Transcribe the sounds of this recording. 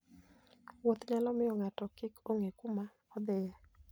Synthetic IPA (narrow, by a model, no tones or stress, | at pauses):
wot̪ɲalɔmɪjɔŋatɔkɪkʰoŋekuma | ɔd̪ɪjɛ